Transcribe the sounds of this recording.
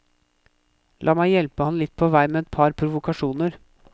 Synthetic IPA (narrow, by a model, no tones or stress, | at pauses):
lʔɑːmæɪjɛlpəhɑnlɪt̪̚ːpʰɔːʋæɪmeːɛt̪̚pʰɑɾpʰɾʊʋʊkʰɑʂuːnəɾ